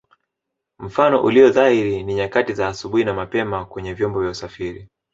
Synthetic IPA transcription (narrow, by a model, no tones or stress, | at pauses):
m̩fanɔ̰ʔuliɔðaiɾiniɲakatizaːsuɓuinamapɛmakwɛɲɛvjɔmbɔvjausafiɾi